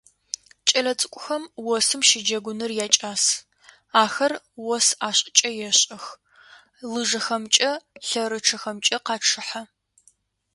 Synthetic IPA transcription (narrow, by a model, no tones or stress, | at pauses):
t͡ʃʼɐlɐt͡sʼɨ̥kʷʼʊxɐmwɔsɨmʃɪd͡ʒɐɡʷʊnɨrjaːt͡ʃʼaːs | aːxɐr | wɔsaːɕʼɪt͡ʃʼɐjɛɕʼɐx | lɨʐɐxɐmt͡ʃʼɐɬɐɾɨʈ͡ʂʰɐxɐmt͡ʃʼɐqɑːʈ͡ʂʰɨħa